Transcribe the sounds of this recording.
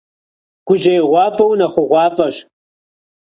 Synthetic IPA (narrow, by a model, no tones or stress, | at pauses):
ɡ̥ʷʊʒejʁʷɑːfɐwnɐχʷʊʁʷɑːfɐʃ